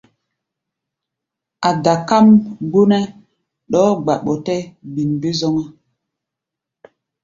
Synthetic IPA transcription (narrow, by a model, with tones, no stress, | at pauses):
a˨da˨ka˦mɡ͡bo˦nɛ˦ | ɗɔː˦ɡ͡ba˨ɓɔ˨tɛ˦bi˨nbe˦zɔ˦ŋa˦